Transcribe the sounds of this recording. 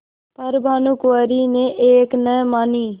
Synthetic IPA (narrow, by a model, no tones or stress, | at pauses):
pəɾbʱaːnuːkʊwaːɾiːneːʔeːknɛːmaːniː